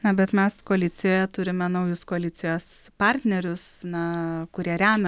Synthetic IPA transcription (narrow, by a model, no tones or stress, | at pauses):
nɐbʲɛt̪mʲɛskoɐlʲɪːt̪t͡s̪ʲɪjoːjɛt̪ʊɾʲɪmʲɛnɐʊjʊskoɐlʲɪːsʲɪjoːspɑɾʲt̪ʲnʲɛɾʲʊsnɐkʊɾʲiɛɾʲæːnɐ